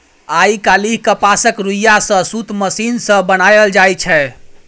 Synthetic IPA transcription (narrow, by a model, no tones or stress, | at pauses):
aikaliɦkəpasəkɾujasə̃sut̪məsinsə̃bənajəld͡ʒajt͡ʃʰɛ